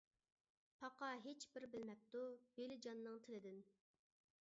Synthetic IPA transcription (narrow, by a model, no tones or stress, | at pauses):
pʰɑqɑɦet͡ʃbɪɾbɪlmɛp̚t̪ub̥elɪd͡ʒɑnːɨŋt̪ʰɪlɪd̪ɪn